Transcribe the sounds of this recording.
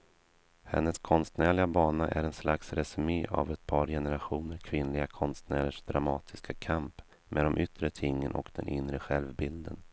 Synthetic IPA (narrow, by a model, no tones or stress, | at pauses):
hɛ̰nːəskʰɔnst̪næːɭɪɡabɑːnaʔæɾɛnslaksɾɛsɵmeːʔa̰vɛt̪̚pʰɑːɾjɛnəɾaɧuːnəɾkʰvɪnlɪɡakʰɔnst̪næːɾəʂd̪ɾamɑːt̪ʰɪskakʰamp | mʔeːd̪ɔmʔʏt̪ɾət̪ʰɪŋːənʔɔ̰kd̪ɛnʔɪnːɾəɧɛlvbɪld̪ən